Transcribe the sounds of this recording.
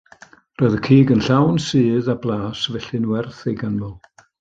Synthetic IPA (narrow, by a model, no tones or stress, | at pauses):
rɔːðəkʰiːɡənɬawnsɨːðablˠaːsvɛɬɨnwɛrθejɡanmɔlˠ